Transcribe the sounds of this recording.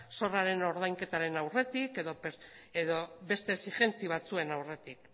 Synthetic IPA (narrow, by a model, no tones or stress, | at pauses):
so̞raɾe̞no̞ɾð̞ajŋke̞t̪aɾe̞nawre̞t̪ike̞ðo̞p | eðobe̞st̪e̞ːsixe̞nt͡siβ̞at͡sue̞nawre̞t̪ik̚